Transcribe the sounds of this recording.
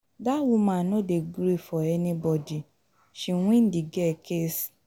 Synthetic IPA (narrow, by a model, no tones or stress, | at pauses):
dawũmãnɔ̃deɡɾefɔɛnĩbɔdi | ʃĩw̃ĩn̩diɡɛkʰes